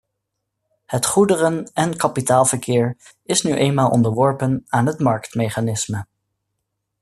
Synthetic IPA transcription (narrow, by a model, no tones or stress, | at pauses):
hətχudərənɛnkɑpitaːlˠvəɹkɪːɹ | ɪsnyʔejnmaːlˠʔɔ̰ndəɹʋɔɹpənaːnɦətmɑɹktmejχaːnɪsmə